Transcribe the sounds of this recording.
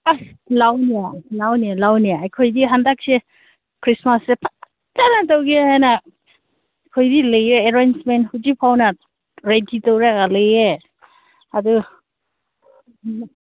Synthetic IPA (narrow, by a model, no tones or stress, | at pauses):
a | lawnialawnialawniajkʰojdiɦandak̚se | kʰɾismasepʰa | tanatowɡiaana | kʰojdilejeeɾansmenthud͡ʒipʰawna | ɾeditowɾaɡaleje | adu